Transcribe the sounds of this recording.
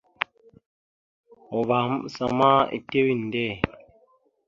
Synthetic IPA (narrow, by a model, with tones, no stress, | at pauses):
ɔ˨βa˨˦msa̰˨ma˦ḭ˨te˦wi˦˨n̩˨dɛ˦˨